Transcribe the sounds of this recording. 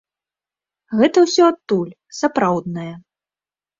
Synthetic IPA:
ɣɛt̪ɐwsʲɔat̪ːulʲ | sapɾawd̪nɐjɛ

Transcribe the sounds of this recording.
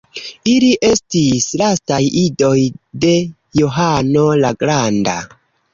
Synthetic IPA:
iliʔe̞stislastajido̞jde̞ | joɦano̞laɡɾanda̰

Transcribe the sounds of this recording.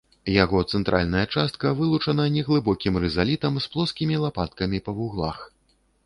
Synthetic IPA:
jaɣɔt̪sɛnt̪ɾʔa̰lʲnɐjɐt͡ʂast̪̚kɐvɨlˠut͡ʂɐnɐnʲɛɣlˠɨbɔkʲimrɛzalʲit̪ɐmsplˠɔskʲimʲilˠapat̪kɐmʲipɐvuɣlˠa̰x

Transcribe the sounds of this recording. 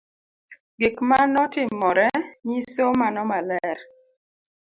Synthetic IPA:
ɡikmanɔtɪmːɔɾɛɲisomanɔmalɛɾ

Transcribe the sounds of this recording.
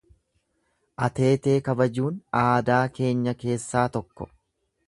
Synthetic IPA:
ʔɐt̪e̞ːt̪e̞ːkɐbɐd͡ʒuːnaːd̪aːke̞ːɲːɐke̞ːsːaːt̪ɔkːɔ̥̰

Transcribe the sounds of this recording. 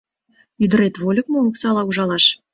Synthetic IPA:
yd̪ə̆ɾet̪βolʲək̚mooksɑlɑuʒɑlɑʃ

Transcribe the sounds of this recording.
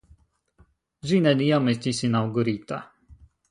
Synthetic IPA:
ʒinɛnijamɛst̪isinawɡoɾit̪a

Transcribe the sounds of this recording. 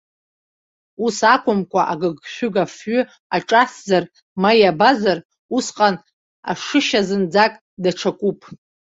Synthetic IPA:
usakʷʰʼʊmkʷʰʼaʔaɡɨɡʃʷᶣʏɡafɥʏ | aʈ͡ʂʼaszar | majabazar | usqʼan | a̰ʂɨʃazɨnd͡zakʼ | daʈ͡ʂʰakʷʼupʼʰ

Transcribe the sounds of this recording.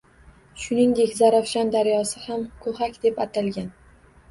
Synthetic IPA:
ʃʊnɪŋd̪e̞kʲzaɾafʃand̪aɾjɒsɪhamkʰohakʲd̪e̞pat̪ʰalˠɡʲan

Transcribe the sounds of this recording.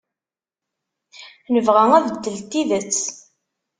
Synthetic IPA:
nəvʁæŋæðd̪ːəlt̪ːiðət͡sː

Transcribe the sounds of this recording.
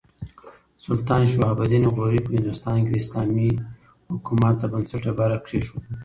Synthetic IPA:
sʊlt̪ɑːnʃoabad̪inɣoɾipəhɪnd̪ʊst̪ɑːnked̪eɪslɑmi | hʊkumat̪̚d̪əbənsaʈabaɾakʂeʃu

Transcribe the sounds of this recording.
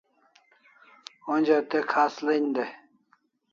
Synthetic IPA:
onʲd͡ʑat̪ekʰaːslend̪e

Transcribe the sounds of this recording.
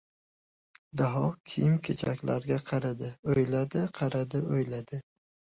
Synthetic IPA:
d̪aɦɒkʲʰijɪmkʲʰet͡ʃʰa̰kʲlaɾɡʲaqʰɑɾad̪ɪojlad̪ɪqʰɑɾad̪ɪojlad̪ɪ

